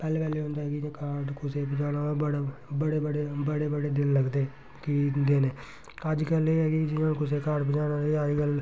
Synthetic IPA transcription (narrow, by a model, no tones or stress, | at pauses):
pɛːleːpɛːleːɦʊ̃nd̪aːɛːɡieːkaːɾʈkʊseːpəd͡ʒaːnaːəɽbəɽeːbəɽeːbəɽeːbəɽeːd̪ɪlləɡd̪eː | kid̪eːneː | əd͡ʒkəleːɛːɡid͡ʒɪnãːkʊseːkaːɾʈbəd͡ʒaːnãiəd͡ʒkəl